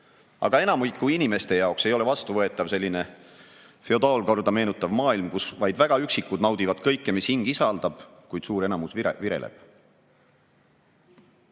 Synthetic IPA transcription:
ɑ̰ɡ̥ɑe̞nɑmujkːuinime̞st̪e̞jɑokse̞jo̞levɑst̪uvɤe̞t̪ˑːɑvse̞lʲːine̞ | fe̞o̞d̪ɑːlko̞rd̪ɑme̞ːnut̪ːˑɑvmɑːilmkusvɑjd̪væɡ̥ɑyksikːˑud̪nɑwd̪̥ivɑd̪̥kɤ̞jkːe̞mishiŋɡ̥isɑld̪̥ɑb̥kujd̥̪suːɾe̞nɑmusviɾe̞̰lʔḛb̥

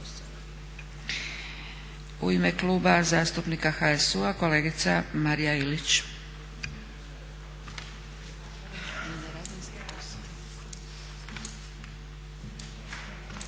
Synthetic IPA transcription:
ṵimekluːbazaːst̪upnikaxaesuako̞le̞ːɡit̪samaɾijailit͡ɕ | nɾaziskos

